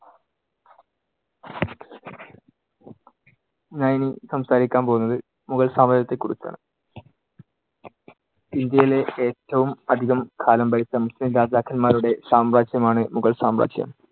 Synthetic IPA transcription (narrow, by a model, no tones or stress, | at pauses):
ɲaːjinisɐmsaːɾikʲːaːnpo̞ːunːɐðɨ | muɣɐɭsaːmɐd͡ʑɾjɐt̪ːekːuɽit͡ɕːa̰ːɳɨ | ind̪jɐjileeːtːɐʋumɐd̪ʱiɣɐmkʰaːlɐmbɐɾisɐmuslinɾaːd͡ʑaːkʰɐlmaːɾuɽe̞saːmraːd͡ʑjɐmaːɳɨmuɣɐɭsaːmra̰ːd͡ʑjɐ̰m